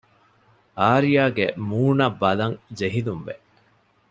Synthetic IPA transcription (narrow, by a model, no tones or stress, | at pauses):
aːɾijaːɡemuːnɐbːɐlɐŋd͡ʒeɦilumʋe